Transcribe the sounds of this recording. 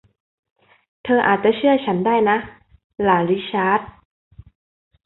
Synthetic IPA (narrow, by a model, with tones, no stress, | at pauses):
t̪ʰɤː˧ʔa̰ː˨˩t̪̚t͡ɕa˨˩t͡ɕʰɯ˥˩ɐt͡ɕʰa˦˥ndaː˥˩jna˦˥ | laː˩˦ɾi˦˥t͡ɕʰaː˦˥t̪̚